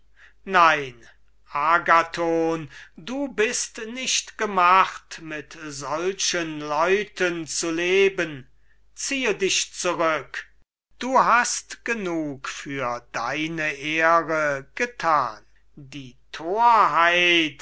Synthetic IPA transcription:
naɪn | ʔaːɡatʰoːnduːbɪstnɪʃtɡ̥əmaχtmɪtzɔlʃənlɔʏtʰənt͡suleːbən | t͡siːədɪʃt͡suʁʏk | d̥uːɦastɡ̥ənuːkfyːɐdaɪnəʔeːʁəɡ̥ətʰaːn | diːtʰoːɐɦaɪɪt

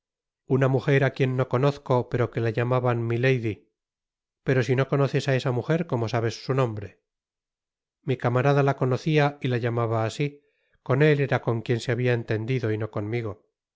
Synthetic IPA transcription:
unamuxe̞ɾakje̞nːo̞ko̞no̞θko̞pe̞ɾo̞ke̞laʝamaβanmilejði | pe̞ɾo̞sinoko̞no̞θe̞sae̞samuxe̞ɾko̞mosaβe̞sːunõ̞mbɾe̞ | mikamaɾaðalako̞no̞θiailaʎamaβaːsi | ko̞ne̞le̞ɾako̞ŋkje̞nseaβiaent̪e̞nd̪iðo̞ino̞ko̞nmiɣ̞o̞

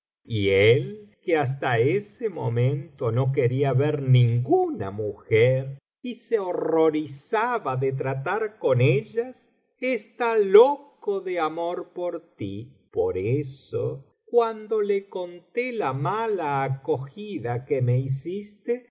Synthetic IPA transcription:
ḭelkeas̬t̪aesemo̰mẽnt̪o̞no̞k̬eɾiaβeɾnĩŋɡuna̰muxeɾ | iseoroɾisaβaðet̪̬ɾat̪aɾkoneʎas | est̪alokoðeamoɾpoɾt̪i | poɾeso | kwand̪o̞lekont̪elamalaːkoxiðakemeis̬ist̪e

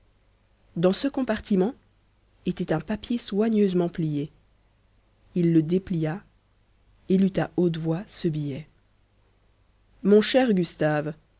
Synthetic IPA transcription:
d̪ɑ̃səkɔ̃paʁt̪imɑ̃ | et̪ɛt̪ɛ̃papjeswaɲøzmɑ̃plije | ilːəd̪eplija | elyt̪aot̪vwasəbijɛ | mɔ̃ʃɛʁɡʲyst̪av

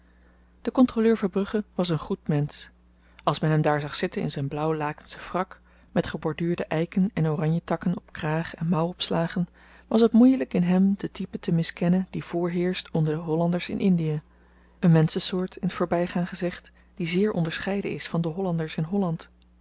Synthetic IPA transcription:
d̥əkɔntroløːɹvɑnbrɵχəʋɑs̬ənχutmɛns | ɑlˠsmɛnɦɛmdaːɹzɑχsɪtənɪ̰nzɛjnblʌwlaːkənsə̥frɑk | mɛtχəbɔɹdyːɹdəʔɛjkənɛnorɑɲjətɑkənɔpkraːχɛnmʌwɔpslaːχən | ʋɑsɦətmujləkɪnɦɛmdətipətəmɪskɛnəndiv̥ʊːɹɦɪːɹstɔndəɹdəɦɔlɑndəɹsɪ̰nʔɪndija | ənmɛnsəsʊːɹtʰɪnətfʊːɹbɛjχaːŋχəzɪχt | d̥izɪːɹʔɔ̰ndəɹsχɛjdəɪsfɑndəɦɔlɑndəɹsɪnɦɔlɑnt

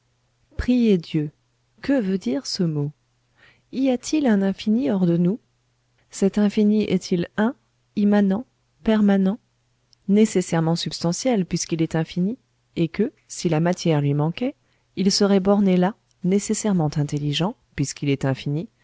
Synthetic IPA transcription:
pχijed̪jø | kəvød̪iʁsəmo | iat̪ʰilɛ̃nɛ̃finiɔʁd̪ənu | sɛt̪ɛ̃finiʔɛt̪ʰilɛ̃ | imanɑ̃ | pɛʁmanɑ̃ | nesesɛʁmɑ̃sypst̪ɑ̃sjɛlpɥiskilɛt̪ɛ̃fini | ekə | silamat̪ʰjɛʁlɥimɑ̃kɛ | ilsəʁɛbɔʁnela | nesesɛʁmɑ̃t̪ɛ̃t̪eliʒɑ̃ | pɥiskilɛt̪ɛ̃fini

